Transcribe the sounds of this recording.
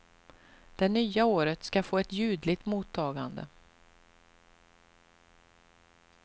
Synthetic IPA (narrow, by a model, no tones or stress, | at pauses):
d̪̥ɛnyːaoːɾət̪skafoːɛt̪jʉ̟ːd̪lɪt̪muːt̪ʰːɑːɡand̪ə̰